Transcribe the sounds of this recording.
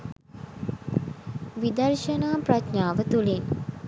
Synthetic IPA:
ʋid̪əɾʃənaːpɾat͡ʃnaːʋət̪ulin

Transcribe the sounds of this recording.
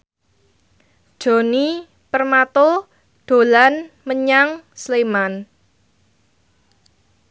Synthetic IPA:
d̥ʒ̥o̤ni | pərmat̪o | ɖ̪̥o̤lan | məɲaŋsleman

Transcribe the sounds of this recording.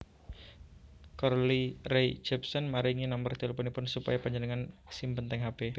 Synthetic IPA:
kɔrlirɛjd͡ʒɛp̚sɔnmaɾiŋinamərt̪eləponipʊnsupa̰japaɲd͡ʒənəŋansimpənt̪ɛŋɦabe

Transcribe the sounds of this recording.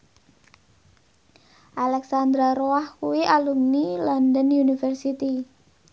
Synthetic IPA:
ʔalɛksand̪ɾaɾoahkuwiʔalumnilɔndənunifɛrsit̪i

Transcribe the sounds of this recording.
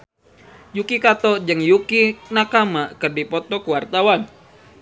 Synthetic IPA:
jukikat̪ɔd͡ʒɨŋjukinakamakɨrdipɔt̪ɔkuwart̪awan

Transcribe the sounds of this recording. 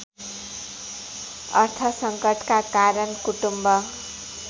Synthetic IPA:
ʌ̰rt̪ʰʌsʌŋkʌʈkakaɾʌnkuʈumbʌ

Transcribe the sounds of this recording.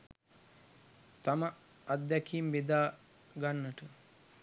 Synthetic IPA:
t̪amɐː | t̪̚d̪ɛkʰiːmbed̪aː | ɡanːəʈə

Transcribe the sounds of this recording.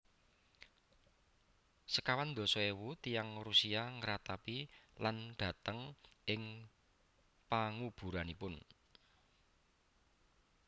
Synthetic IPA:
səkawand̪o̤sɔewut̪ijaŋrusiaŋəɾat̪apilanɖ̪̥ä̤t̪əŋɪŋ | paŋub̥ṳɾanipʊn

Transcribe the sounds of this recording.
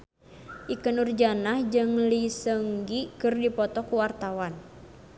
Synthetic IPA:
ʔikənurd͡ʒanahd͡ʒɨŋlisəŋɡikɨrdipɔt̪ɔkuwart̪awan

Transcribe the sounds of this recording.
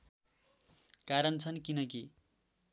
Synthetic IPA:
kaɾʌnt͡sʰʌnkinʌk̬i

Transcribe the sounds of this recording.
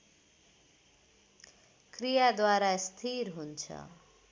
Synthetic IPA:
krijad̪waɾast̪ʰiɾɦunt͡sʰʌ̰

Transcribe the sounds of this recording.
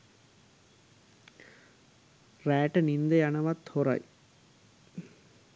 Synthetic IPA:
ræːʈənind̪əjanəʋat̪hoɾa̰j

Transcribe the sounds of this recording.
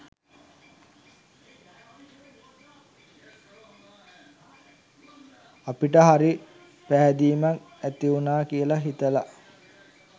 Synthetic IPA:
apiʈəɦaɾi | pæɦæd̪iːmak | æt̪iunaːkijəlaɦit̪əla

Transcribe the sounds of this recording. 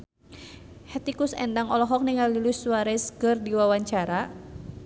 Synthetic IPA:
hɛt̪ikusɛ̰ndaŋɔlɔɦɔk̚niŋallilusuwaɾɛskɨrdiwawaɲt͡ʃaɾa

